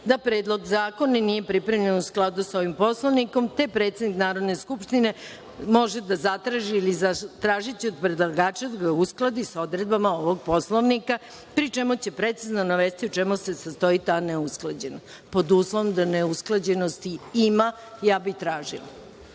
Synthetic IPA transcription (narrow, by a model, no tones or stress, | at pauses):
d̪apɾeːd̪lˠo̞ɡzaːko̞nanije̞pɾipɾe̞mʎe̞nusklˠad̪uso̞ʋimpo̞slˠoʋniko̞mt̪e̞pɾe̞t̪sed̪niknaːɾod̪ne̞skupʃt̪ine̞ | mo̞ʒed̪azat̪ɾaʒiːliat̪ɾaːʒit͡ɕio̞d̪pɾed̪lˠaɡaːt͡ʃad̪aɡausklˠad̪isao̞d̪ɾed̪̚bamaoʋo̞ɡ̚po̞slˠoʋnika | pɾit͡ʃe̞mut͡ɕepɾe̞t̪siznonaʋest̪iut͡ʃemusesast̪o̞it̪aneusklˠad͡ʑena | po̞d̪uslˠoʋomd̪aneusklˠad͡ʑe̞nost̪iima | jaːbit̪ɾaːʒḭla̰